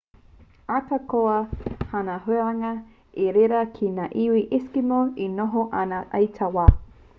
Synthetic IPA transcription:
atɐkoɐhanɐɦʉɐaŋɐ | eɾeɾɐkʰinaʔiwiʔɪskimoinoɦoʔɐnaʔɐjtʰɐwaː

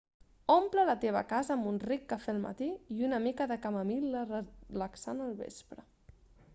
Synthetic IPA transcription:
omplələt̪eβ̞ə̰kazəːmbunrikːəfɛlˠmə̰t̪iiunəmikəðəkəməmilərələksanəlˠβḛspɾə

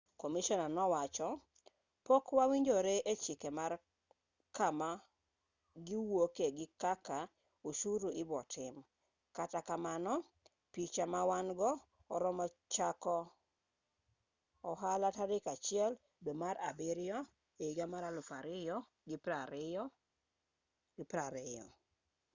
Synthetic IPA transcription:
komiʃɔnanɔwat͡ʃɔ | pokwawiɲd͡ʒoɾeʔet͡ʃɪkemar | kama | ɡiwokeɡɪkaka | oʃuɾuɪbɔtʰɪm | katakamanɔ | pit͡ʃamawanɡɔː | ɾɔmɔt͡ʃakɔ | ɔɦalataɾɪkat͡ʃɪɛl | domaɾa̰bɪɾɪjɔ | eiɡamaɾalʊfaɾɪjɔ | ɡɪpaɾɪɔ | ɡɪpɾaɾɪjɔ̰

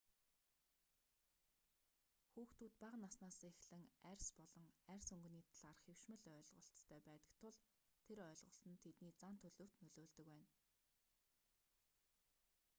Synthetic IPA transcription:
xuːxt̪uːt̪̚paqnasnaːsexɮɘ̆ŋærʲspɔɮɞ̆ŋærʲsɵŋɡ̆niːt̪ʰaɮaːrχew̥ʃmɘ̆ɮœːɮʁə̆ɬtt̪ʰːœːpæːt̪ə̥̆k̚t̪ʰʊɮ | t̪ʰeɾœːɮʁə̆ɬt̪ə̆nt̪ʰet̪niːt͡san̥t̪ʰɵɮɵ̆ːw̥t̪nɵɮoːɮt̪ɵ̆kwæːn

